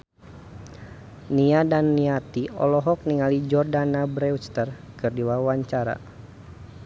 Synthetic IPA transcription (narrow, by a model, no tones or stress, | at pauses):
niadanːiat̪iɔ̰lɔɦɔk̚niŋalid͡ʒɔrdanabɾɛust̪ərkɨrdiwawaɲt͡ʃaɾa̰